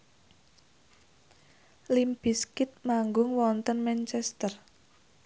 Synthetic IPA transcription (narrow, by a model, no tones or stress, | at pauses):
limb̥iskɪt̪̚maŋɡʊŋwɔnt̪ənmɛnt͡ʃɛst̪ər